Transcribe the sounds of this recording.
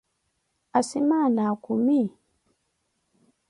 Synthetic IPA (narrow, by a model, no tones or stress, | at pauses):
asimanakumi